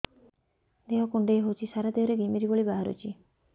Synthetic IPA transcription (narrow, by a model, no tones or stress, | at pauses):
d̪eɦɔkuɳɖeeɦot͡ʃʰisaɾad̪eɦɔɾeɡimiɾiboɭibaɦaɾo̰t͡ʃʰi